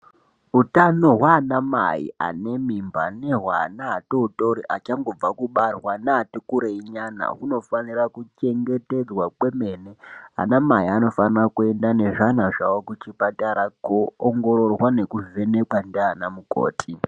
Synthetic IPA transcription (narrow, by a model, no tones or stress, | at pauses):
utano̞ɦwaːnama̰jḭa̰ne̞mimba̰neɦwa̰naːtoutoɾiʔat͡ʃaŋɡo̞b͡vakuɓarwanaatokuɾeiɲana̰ɦuno̞fanirakut͡ʃe̞ŋɡe̞te̞d͡zwakwe̞me̞ːnea̰namaiano̞fanirakue̞ndane̞ʐanaʐawokut͡ʃipataɾakoːŋɡo̞ɾo̞rwane̞kuve̞nekwandanamuko̰ːtʰi